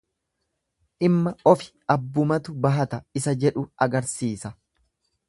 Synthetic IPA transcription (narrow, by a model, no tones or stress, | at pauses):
ʔɪmːɐɔfɪ̥ʔɐbːʊmɐt̪ʊbɐɦɐt̪ɐɪsɐd͡ʒɛᶑʊɐɡɐɾsiːsɐ